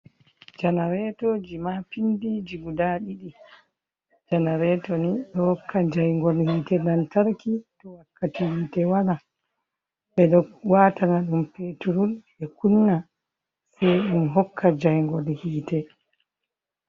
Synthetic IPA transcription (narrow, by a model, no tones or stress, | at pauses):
d͡ʒanaɾɛtoːd͡ʒimapindid͡ʒiɡudaɗiɗi | d͡ʒanaɾɛtɔniɗɔhɔkʰːad͡ʒajŋɡɔlhiːtɛnantaɾkitɔwakːatihiːtɛwala | ɓɛɗɔkwaːtanaɗumpetuɾunɓɛkunːa | sajɗumɦɔkʰːad͡ʒajŋɡɔlhiːtɛ